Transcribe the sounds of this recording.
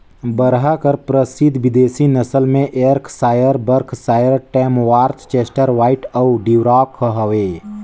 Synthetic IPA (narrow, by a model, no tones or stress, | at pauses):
bəɾɦakəɾpɾəsid̪ʱʋɪd̪eːsinəsəlmẽʔeɾkʰsaːjəɾbəɾkʰsaːjəɾʈɛːmʋaːɾt̪t͡ʃeːsʈəɾʋaːɪʈəʊɖiwɾaːkɦəʋeː